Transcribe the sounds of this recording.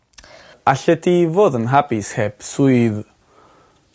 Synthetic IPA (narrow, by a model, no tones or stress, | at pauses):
aɬɛdivoːðənɦabɪsheb̥suɨð